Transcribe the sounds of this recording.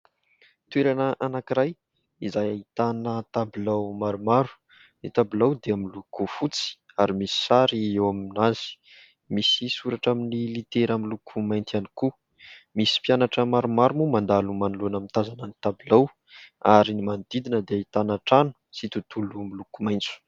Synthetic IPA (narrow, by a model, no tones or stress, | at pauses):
t̪weɾanəʔanakiɾaj | izajaɦit̪anət̪abilawmaɾumaɾu̥ | nit̪abilawd̪eaminlukufut͡si̥ | aɾimisi̥saɾiewaminaz̥i̥ | misisuɾaʈ͡ʂaminilit̪eɾamilukʰumajnt̪iani̥ku | misi̥pjanaʈ͡ʂəmaɾumaɾumumand̪alumanulunamint̪azanənit̪abilaw | aɾinimand̪̥id̪inəd̪eait̪anaʈ͡ʂanu̥sit̪ut̪ulumilukumajnt͡su̥